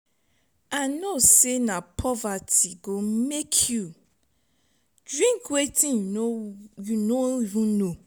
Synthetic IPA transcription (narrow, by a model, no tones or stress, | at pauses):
anosenapʰɔvatiɡomekʰju | dɹĩŋkwetĩn | junoivĩnːo